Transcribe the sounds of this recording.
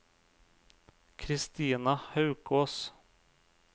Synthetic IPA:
kʰɾɪst̪iːnahœʉkʰoːs

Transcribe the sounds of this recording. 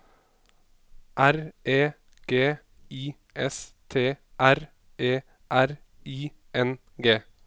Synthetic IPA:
ʔæɾʔeː | ɡ̥eː | iː | ʔɛst̪ʰeːʔæɾ | ʔeː | ʔæɾ | iː | ʔɛn | ɡeː

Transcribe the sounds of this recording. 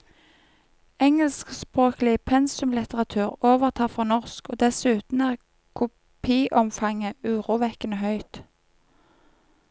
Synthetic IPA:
ɛŋəlskspʁoːklɪpʰɛnsʉmlɪt̪əʁɑt̪ʰʉːʁoːʋəʁt̪ʰɑːfʁɑːnɔʁskoːd̪ɛsʉːt̪n̩æːʁ | kʰʊ | pʰiːʔɔmfɑŋəʉːʁuːʋɛkənəhœʏt̪

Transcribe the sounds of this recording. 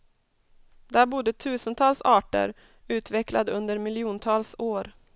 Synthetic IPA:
d̪æɾbʊd̪ːət̪ʰʉːsənt̪ʰɑːlsɑːʈə̰ɾ | ʉ̟ːt̪vɛkla̰d̪ɵnd̪əɾmɪlɪuːnt̪ʰɑːlsoːɾ

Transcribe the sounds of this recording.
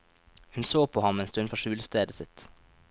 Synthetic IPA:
hʉnsoːpʰoːhɑmeːnst̪ʉnfɔʃʉːlst̪eːd̪əsɪt̪

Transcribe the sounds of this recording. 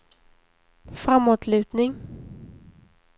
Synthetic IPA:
fɾamːoːt̪lʉ̟ːt̪nɪŋ

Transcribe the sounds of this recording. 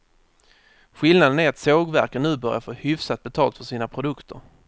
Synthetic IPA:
ɧɪlnad̪ənæɾat̪soːɡvæɾkənʉ̟ːbœɾja̰ɾfoːhʏfsat̪̚bɛt̪ʰɑːlt̪fœʂiːnapʰɾʊd̪ɵkt̪ʰə̰ɾ

